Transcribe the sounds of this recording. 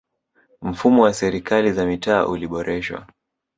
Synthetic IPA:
m̩fumɔwasɛɾikalizamita̰ːʔuliɓɔɾɛʃwa̰

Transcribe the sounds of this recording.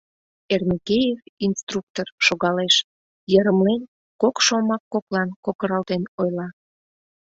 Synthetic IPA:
ermʲikejevinst̪ruk̚t̪orʃoɣɑleʃ | jəɾəmlen | kokʃomɑkːoklɑnkokəɾɑlt̪enojlɑ

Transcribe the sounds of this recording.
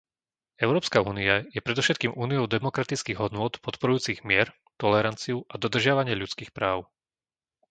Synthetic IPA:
ɛʊɾɔːpskaṵːniajɛpɾɛd̪ɔfʃɛt̪kiːmuːniɔʊd̪ɛmɔkɾat̪it͡skiɣɦɔd̪nʊɔt̪pɔt̪pɔɾujuːt͡siɣmɪɛɾ | t̪ɔlɛɾant͡siuʔad̪ɔd̪r̩ʒɪaʋaɲɪɛʎut͡skiːxpɾaːʊ

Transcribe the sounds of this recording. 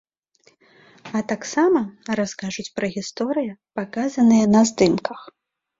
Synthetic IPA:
ɐt̪aksamɐɾaskaʐut͡sʲpɾɐɣʲist̪ɔɾɨjɐpakazɐnɨjɐnɐzd̪ɨmkɐx

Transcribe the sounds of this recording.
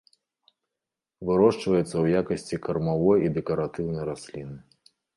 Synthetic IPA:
vɨɾɔʂt͡ʂvɐjɛt̪sːɐwjakɐsʲt͡sʲikɐrmavɔjid̪ɛkɐɾat̪ɨwnɐjɾasʲlʲinɨ

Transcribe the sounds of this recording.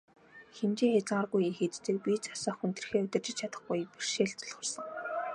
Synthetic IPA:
xemt͡ɕiːŋxet͡sŋarɣujixet̪t͡sɘ̆ːk̚pʲit͡sʰḁsɔːxunt̪̆r̆xeːɵt̪ʲɪ̆rt͡ɕɪ̆t͡ɕt͡ɕʰat̪ə̥̆χɡujper̥ʃeːɮt͡s̪ɔɮχə̆rsə̆ŋ

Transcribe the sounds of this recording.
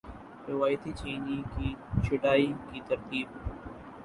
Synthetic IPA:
ɾɪʋaːjt̪iːt͡ʃiːnikiːt͡ʃʰɪɖaːiːkiːt̪ɐɾt̪iːb

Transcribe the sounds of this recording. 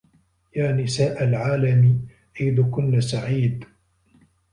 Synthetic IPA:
jaːnɪsaːʔalʕaːlami | ʔajd̪ʊkʊnːasaʕiːd̪

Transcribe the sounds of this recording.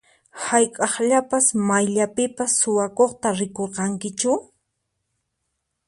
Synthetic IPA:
hajkʼɑχʎapasmajʎapɪpasːʊwakoχt̪aɾɪkoɾqɑŋkɪt͡ʃʊ

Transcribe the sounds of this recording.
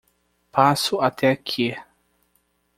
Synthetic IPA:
pasʊat̪ʰɛakʰi

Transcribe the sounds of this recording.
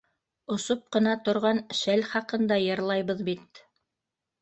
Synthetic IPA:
ŏsop̚qɤ̆nɑt̪ŏɾʁɑnʃælχɑqɤ̆nd̪ɑjɤ̆ɾlˠɑjβɤðbit̪̚

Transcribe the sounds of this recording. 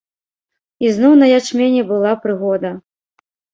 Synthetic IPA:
iznɔwnɐjat͡ʂmʲenʲɛbɨlˠapɾɨɣɔd̪ɐ

